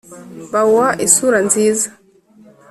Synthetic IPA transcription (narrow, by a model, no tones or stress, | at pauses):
bawaʔisuɾanziːzḁ